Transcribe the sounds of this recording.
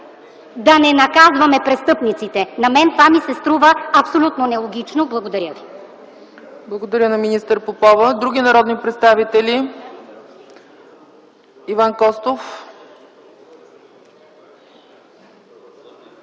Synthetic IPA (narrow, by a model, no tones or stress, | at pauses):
d̪ɐnɛnɐkazvɐmɛpɾɛst̪ɤpnit̪sit̪ɛnɐmɛnt̪vamisɛst̪ɾuvəɐpsolʲut̪nonɛlˠoɡʲit͡ʃnoblˠɐɡod̪ɐɾʲjəvi | blˠɐɡod̪ɐɾʲənɐminist̪əɾpopɔvəd̪ɾuɡʲinɐɾɔd̪nipɾɛt̪st̪avit̪ɛlʲi | ivankɔst̪of